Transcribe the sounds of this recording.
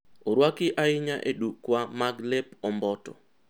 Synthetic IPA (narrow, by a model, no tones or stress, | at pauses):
oɾwakɪʔaɪɲaʔḛɗukːwamaɡlɛpɔmbɔtɔ̰